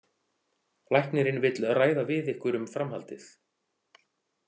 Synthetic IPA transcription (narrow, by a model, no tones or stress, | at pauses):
lajhknɪɾɪnvɪt̪lraːjðavɪðɪhkvʏɾʏmfɾamhalt̪ɪθ